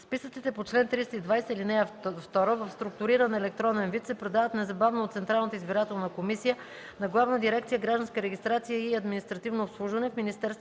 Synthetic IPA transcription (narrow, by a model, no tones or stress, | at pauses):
spisək̪sit̪ɛpot͡ʃlɛnt̪ɾist̪əid̪vajsəilinɛjəft̪ɔɾəvəfst̪ɾuk̚t̪ʊɾiɾənɛlɛk̚t̪ɾɔnɛnvit̪sɛpɾɛd̪avət̪nɛzɐbavnot̪sɛnt̪ɾalˠnət̪əizbiɾat̪ɛlˠnəkomisijə | nɐɡlˠavnəd̪iɾɛkt̪ijəɡɾaʒd̪ənskəɾɛɡʲist̪ɾat̪sijəiɐd̪minist̪ɾɐt̪ivnoːpslˠuʒvɐnɛfminist̪ɛɾst̪